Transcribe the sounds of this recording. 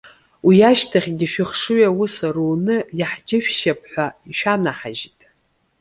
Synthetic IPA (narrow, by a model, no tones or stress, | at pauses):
wijaʃtʰaχʲɡʲɪʃᶣɪχʂɨɥawusaruːnɨjaħd͡ʒɪʃᶣʃap̚ʼʰħʷaiʃᶣanaħa̰ʒitʼ